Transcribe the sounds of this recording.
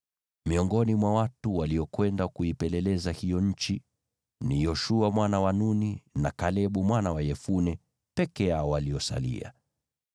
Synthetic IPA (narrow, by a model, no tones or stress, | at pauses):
miɔŋɡɔnimwawatuwaliɔkwɛndakuipɛlɛlɛzahijɔɲ̩t͡ʃi | nijɔʃuamwanawanuninakalɛɓumwanawajɛfunɛ | pɛkɛaɔwaliɔsa̰lḭa̰